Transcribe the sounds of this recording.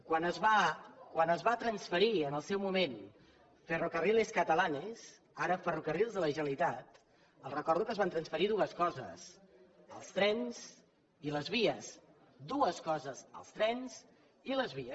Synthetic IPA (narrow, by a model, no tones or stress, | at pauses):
kwanəzβakwanəzβat̪ɾənsfəɾiənəlˠsɛwmumen | fərukərileskət̪əlanes | aɾəfərukərilˠzðələʒəlit̪at̪ | əlˠrəkɔɾðukəzβant̪ɾənsfəɾiðuəskɔzə̰s | əlˠst̪ɾɛnz | iləzβiəs | d̪uəskɔzəzə̰lˠst̪ɾɛnsz̥ | iləzβiə